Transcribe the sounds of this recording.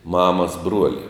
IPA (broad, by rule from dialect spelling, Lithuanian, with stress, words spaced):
ˈmɑːmɐs ˈbruɔlʲɪ